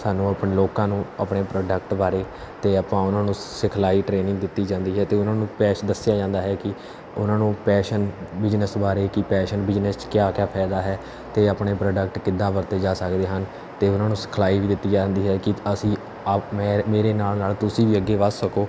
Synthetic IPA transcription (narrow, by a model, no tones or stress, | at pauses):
saːnũːəpneːloːkãːnũːəpɳeːpɾoːɖək̚ʈbaːɾeː | t̪eːəpãːʊnãːnũːsɪkʰlaːiːʈɾeːnɪ̃ŋɡ̚d̪ɪt̪ːiːd͡ʒãːnd̪iːɦɛːt̪eːʊnãːnũːpɛːʃd̪əsɪjaːd͡ʒãːnd̪aːɦɛːkɪ | ʊnãːnũːpɛːʃənbɪd͡ʒnəsbaːɾeːkɪpɛːʃənbɪd͡ʒnəst͡ʃkɪjaːkjaːpʰɛːd̪aːɦɛː | t̪eːapɳeːpɾɔːɖək̚ʈkɪd̪ːãːbəɾt̪eːd͡ʒaːsəkd̪eːɦən | t̪eːʊnãːnũːsɪ̥kʰlaːiːʋiːd̪ɪt̪ːiːd͡ʒand̪iːɦɛːkɪəsĩː | aːeːmeːɾeːnaːlnaːlt̪ʊsiːʋiːəɡːeːʋəssəkoː